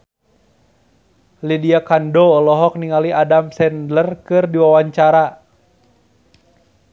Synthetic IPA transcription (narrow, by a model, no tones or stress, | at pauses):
lidiakandɔːlɔɦɔk̚niŋaliadamsɛndlərkɨrdiwawaɲt͡ʃaɾa